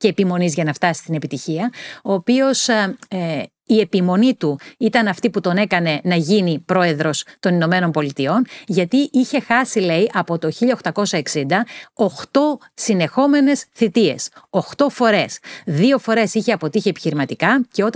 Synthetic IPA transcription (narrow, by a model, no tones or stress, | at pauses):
ceːpimo̞nizʝɐnɐft̪ɐsi̥st̪ine̞pit̪içiɐo̞ːpio̞s | ie̞pimo̞nit̪uit̪ɐnɐft̪iput̪o̞ne̞kɐne̞nɐʝinipɾo̞e̞ðɾo̞st̪o̞nino̞me̞no̞mpo̞lit̪io̞nʝɐt̪iʔiçe̞xɐsile̞iʔɐpo̞t̪o̞çiʎɐoxt̪ɐko̞sɐeksind̪ɐo̞xt̪o̞ | sine̞xo̞me̞ne̞sθit̪ie̞̰so̞xt̪o̞fo̞ɾe̞sðio̞fo̞ɾe̞siçe̞ɐpo̞t̪içiepi̥çiɾimɐt̪ikɐce̞ot̪